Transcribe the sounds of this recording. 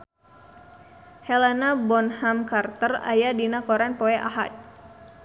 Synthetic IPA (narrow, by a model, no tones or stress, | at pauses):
hɛlanabɔnhamkart̪əra̰jadinakɔɾɛnpɔɛʔa̰ɦa̰d̪̚